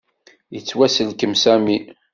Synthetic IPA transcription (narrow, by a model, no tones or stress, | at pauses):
jət͡sːwæsəlkəmsæmi